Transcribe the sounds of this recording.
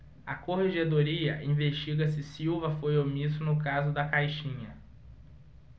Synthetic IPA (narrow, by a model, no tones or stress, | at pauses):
ɐkoheʒed̪oɾiɐ̰ʔĩveʃt͡ʃiɡɐs̬ɪsiwvɐfojomisʊnʊkazʊd̪ɐkajʃĩɲɐ